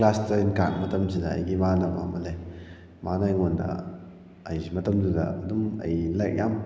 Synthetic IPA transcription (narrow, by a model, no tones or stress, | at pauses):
lastɐinkak̚mɐtɐms̬idɐ̰ːjɡimanaba̰mɐle | manajŋondɐ̰ | ɐjmɐtɐmsidɐ̰ɐdumɐ̰jlak̚jam